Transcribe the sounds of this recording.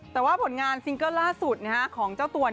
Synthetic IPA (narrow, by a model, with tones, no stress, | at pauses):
t̪ɛː˨˩waː˥˩pʰo˩˦nŋaː˧nsi˧ŋkɤ˥˩laː˥˩su˨˩t̪̚na˦˥ka˦˥kʰɔː˩˦ŋt͡ɕaː˥˩wt̪u˧ɐ